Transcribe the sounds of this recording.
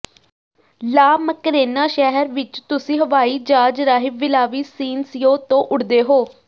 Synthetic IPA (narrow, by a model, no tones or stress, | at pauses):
laːməkɾeːnaːʃɛɦəɾʋɪt͡ʃt̪ʊsĩːɦəʋaːiːd͡ʒaːd͡ʒɾaːɦɪbʋɪlaːʋiːsiːnsɪjõːt̪õːʔʊɽd̪eːɦoː